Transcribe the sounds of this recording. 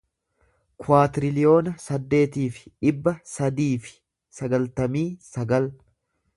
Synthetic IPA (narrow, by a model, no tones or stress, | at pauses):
kwaːt̪ɪɾɪlɪjo̞ːnɐsɐd̪ːe̞ːt̪iːfɪ̥ᶑɪbːɐsɐd̪iːfɪ̥ | sɐɡɐlt̪ɐmiːsɐɡɐl